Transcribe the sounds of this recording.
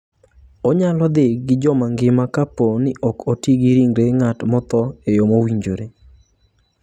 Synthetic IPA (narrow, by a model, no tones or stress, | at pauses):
oɲalɔd̪ɪɡɪd͡ʒɔmaŋɡɪmakaponɪʔɔkotiɡiɾiŋɾeŋatmɔt̪ɔejomowiɲd͡ʒoɾe